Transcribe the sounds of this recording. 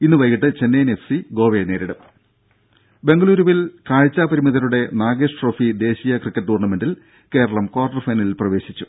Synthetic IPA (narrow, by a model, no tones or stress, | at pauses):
inːɨʋɐjːiʈːɨt͡ɕe̞nːenefsiɡo̞ːʋene̞ːɾiɽɐm | be̞ŋɡɐɭuːɾuʋilkaːɻt͡ɕːaːpɐɾimiðɐɾuɽe̞naːɡeːʂʈro̞ːfid̪e̞ːɕijɐkrikːɐʈːuːrnɐme̞nɖil | ke̞ːɾɐɭɐmkwaːrɖɐrfɐjnɐlilprɐʋe̞ːɕit͡ɕːu̥